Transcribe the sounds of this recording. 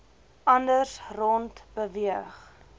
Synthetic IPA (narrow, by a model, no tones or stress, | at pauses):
ʔɐndərsrɔntb̥əviəχ